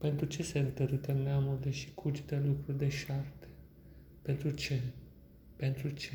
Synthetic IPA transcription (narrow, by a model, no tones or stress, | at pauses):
pe̞nt̪ɾut͡ʃe̞sent̪əɾut̪enneamuɾileʃi̥kʰut͡ʃd̪elukɾurd̪e̞ʃart̪e | pe̞nt̪ɾut͡ʃe | pe̞nt̪ɾut͡ʃe